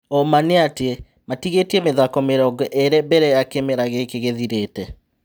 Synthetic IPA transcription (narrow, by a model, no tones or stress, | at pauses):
ɔmaneatee | matiɣetiɛmeðakɔmeɾɔɡɛʔeɾɛbɛɾɛjakemeɾaɣekeɣeðiɾeːtɛ